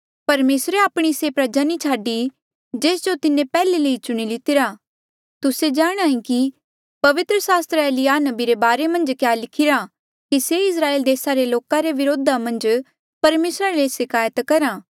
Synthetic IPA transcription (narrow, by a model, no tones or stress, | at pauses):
pɐɾmeːsɾeaːpɽ̃isepɾɐd͡ʒanit͡ʃʰaːɖi | d͡ʒeːsd͡ʒot̪ɪnẽpɛːleləit͡ʃʊɽ̃ilɪt̪ɪɾa | t̪ʊsed͡ʒaːɽ̃aːĩki | pɐʋɪt̪ɾəsaːst̪ɾeːlijaːnɐbiɾebaːɾemɐ̃nd͡ʒkjaːlɪkʰɪɾa | kiseɪs̬ɾaːeːld̪eːsaɾeloːkãɾeʋɪɾoːd̪ʱamɐ̃nd͡ʒ | pɐɾmeːsɾalesɪkaːjət̪kɐɾãː